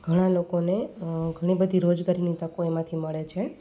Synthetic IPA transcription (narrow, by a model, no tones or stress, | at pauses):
ɡ̥ʱəɽ̃ãlokoneɡʱəɽ̃ibəd̪ʱiɾod͡ʒɡaɾinit̪əkoemãt̪ʰiməɭet͡ʃʰe